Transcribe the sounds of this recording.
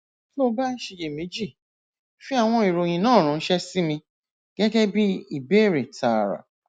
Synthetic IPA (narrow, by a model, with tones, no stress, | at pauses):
o˦˧ba˦n̩˦ʃe˧je˨me˨˦d͡ʒi˦˨ | fi˦a˦˨w̃ɔ̃˧i˨ɾo˨j̃ĩ˧nãː˦˨ɾ̃ã˨˧n̩˦ʃɛ˦si˦mĩ˧ | ɡ̥ɛ˦ɡɛ˦bi˦i˦˨be˦˨ɾe˨tʰa˨ɾa̰˨